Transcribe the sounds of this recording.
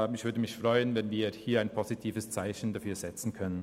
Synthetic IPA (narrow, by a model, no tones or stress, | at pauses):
ɪçvʏːɐdəmɪçfʁ̥ɔʏənvɛnviːɐhiːɐaɪnpʰozitʰiːvəst͡saɪçn̩dafyːɐzɛt͡sn̩kʰœnən